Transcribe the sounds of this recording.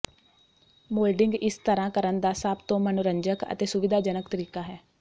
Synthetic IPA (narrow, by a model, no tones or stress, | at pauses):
moːlɖɪŋɡɪst̪əɾãːkəɾənd̪aːsaːbt̪õːmənʊɾəɲd͡ʒəkə̰t̪eːsʊʋɪd̪aːd͡ʒənəkt̪əɾiːkaːɦɛː